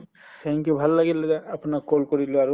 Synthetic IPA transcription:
t̪ʰɛŋkjubʱalːaɡilɛdaapunakːolkɔɹiloaɹu

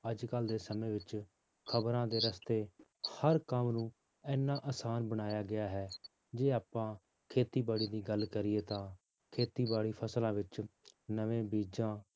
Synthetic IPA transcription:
əd͡ʒkəld̪eːsəmẽːʋɪt͡ʃ | kʰəbɾãːd̪eːɾəst̪eːhəɾkəmnũː | ɛːnːaːʔəsaːnbəɽaːjaːɡɪaːɦɛː | d͡ʒeːaːpãː | kʰeːt̪iːbaːɽiːd̪iːɡəlkəɾɪeːt̪ãː | kʰeːt̪iːbaːɽiːpʰəslãːʋɪt͡ʃnəʋẽːbiːd͡ʒãː

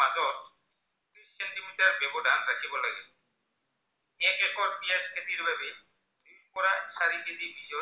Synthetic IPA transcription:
ad͡ʑɔt | t͡ɕɔ | t̪ːɾissenʈimiʈaɾbeboɖanɾakʰebɔlaɡe | ɛkekɔɾpiaskʰet̪iɾbʱabe | d̪ik̚kɔɾaʃaɾiked͡ʑibid͡ʑɔ

